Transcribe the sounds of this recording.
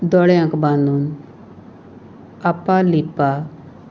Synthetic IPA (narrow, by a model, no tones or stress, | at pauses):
d̪ɔɽjãkbanun | apːalipːa